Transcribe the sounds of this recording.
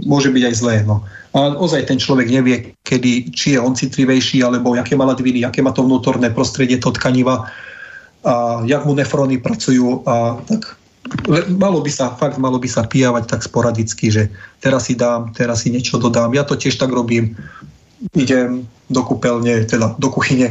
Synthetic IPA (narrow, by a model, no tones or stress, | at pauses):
mʊɔʒɛbiɟajzlɛːnɔ | aɔzajt̪ɛnt͡ʃlɔʋɛɡɲɛʋɪɛ | kɛd̪it͡ʃijɛɔnt͡sit̪liʋɛjʃiːalɛbɔakɛːmalad̪ʋiniakɛːmaːt̪ɔvnuːt̪ɔɾnɛːpɾɔst̪ɾɛɟɪɛt̪ɔt̪kaɲiʋa | ajaɡmunɛfɾɔnipɾat͡sujuːat̪ak | ɛmalɔbisafaɡt̪malɔbisapijaʋact̪akspɔɾad̪it͡skiʒɛt̪ɛɾasːid̪aːmt̪ɛɾasːiɲɪɛt͡ʃɔd̪ɔd̪aːmjat̪ɔcɪɛʃt̪aɡɾɔbiːm | iɟɛm | d̪ɔkupɛlɲɛt̪ɛd̪ad̪ɔkuxiɲɛ